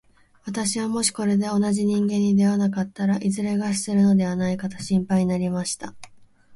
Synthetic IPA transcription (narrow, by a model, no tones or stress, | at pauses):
βat̪aɕiβamo̞ɕi̥ko̞ɾe̞d̪e̞o̞naʑiɲ̟ĩŋɡẽ̞ɲ̟ːid̪e̞βanakat̪ːaɾaʔizɨɾe̞ɡaɕi̥sɨɾɯ̟no̞d̪e̞β̞anaikat̪ḁɕĩmpaiɲ̟inaɾʲimaɕi̥t̪a